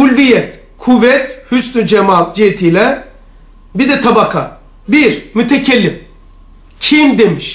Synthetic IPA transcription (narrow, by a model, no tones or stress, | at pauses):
ulʲvijɛt̪ | kʰuvɛt̪hysnyd͡ʒemalˠd͡ʒiet̪ʰijlʲɛ | bid̪ɛt̪ʰabakʰa | biɾmyt̪ʰecʰelʲːim | cʰimd̪emiʃ